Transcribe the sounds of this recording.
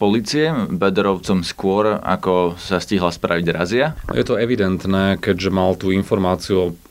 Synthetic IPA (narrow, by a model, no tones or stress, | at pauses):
pɔliːt͡siɛbɛd̪ɾɔʊt͡sɔmskʊɔɾa̰kɔsasciɦlaspɾʔa̰ʋiɟɾa̰zia̰jɛ̰t̪ɔɛʋid̪ɛnt̪nɛːkɛɟʒɛmalt̪uːinfɔɾmaːt͡siu